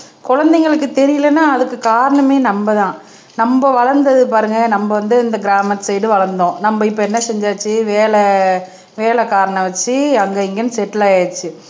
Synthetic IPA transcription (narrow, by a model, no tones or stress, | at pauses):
kɔɻɐnd̪ɛŋɡɐɭɯkːɯt̪ɛɾɪjɯlɐnːaːɐðɯkːɯkaːɾɐɳɐmeːnɐmbɐðãː | nɐmbɐʋɐɻɐɾnd̪ɐðɯpaːɾɯŋɡɐnɐmbɐʋɐnd̪ɯɪnd̪ɐɡɪɾaːmɐt̪ːsɛjʈɯʋɐɻɐɾnd̪õːnɐmbɐɪpːɐɛnːɐsɛɲd͡ʒaːt͡ʃːɯʋeːlɛ | ʋeːɭɛkaːɾɐɳɐ̃ʋɐt͡ʃːɯɐŋɡɐɪŋɡɐnɯsɛʈːlaːeːt͡ʃːɯ